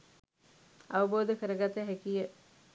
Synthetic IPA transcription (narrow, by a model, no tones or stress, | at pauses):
aʋəboːd̪əkəɾəɡat̪əɦækijə